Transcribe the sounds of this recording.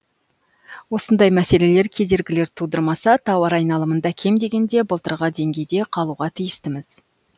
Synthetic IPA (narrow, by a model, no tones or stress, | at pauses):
wo̞sənd̪ɑjmæse̞le̞le̞ɾkʲʰe̞d̪e̞ɾɡʲɪle̞ɾt̪ʰud̪əɾmɑsɑt̪ʰɑwɑɾɑjnɑlˠəmənd̪ɑkʲʰe̞md̪e̞ɡʲe̞nd̪e̞bəlˠt̪əɾʁɑd̪e̞ŋɡʲe̞jd̪e̞qʰɑlˠuʁɑt̪ʰijɪst̪ɪmɪz̥